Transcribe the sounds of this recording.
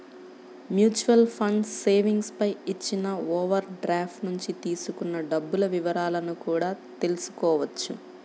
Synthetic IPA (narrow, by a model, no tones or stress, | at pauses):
mjuːt͡ʃuʋɐlpʰɐɳɖsːe̞ːʋiŋɡspɐjit͡ʃːinɐoːʋɐɾɖɾaːpʰʈnuɲt͡ʃit̪iːsukunːɐɖɐbːulɐʋiʋɐɾaːlɐnukuːɽaːt̪e̞lusu̥kɔːʋɐt͡ʃːṵ